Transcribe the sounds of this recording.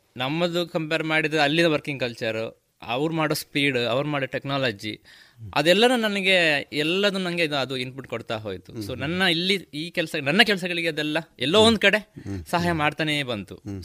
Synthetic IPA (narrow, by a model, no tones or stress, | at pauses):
nɐmːɐd̪ukɐmpeːɾmaːɽid̪ɐɐlːinɐʋɐɾkiŋɡkɐlt͡ʃɐɾ | ɐ̰ʋɾumaːɽoːspiːɽɐʋɐɾumaːɽoʈeknaːlɐd͡ʒi | ɐ̰d̪ɛlːɐnunɐnɐɡe̞ɛlːɐd̪unnɐŋɡe̞id̪uɐd̪uinpuʈkoɽt̪aːɦoːjt̪u̥soːnɐnːɐilːiiːkɛlɐsɐnɐnːɐkɛlɐs̬ɐɡɐɭiɡeɐd̪ɛlːɐɛlːoːond̪ukɐɽe̞sɐɦaːjɐmaːɽt̪aːnebɐnt̪u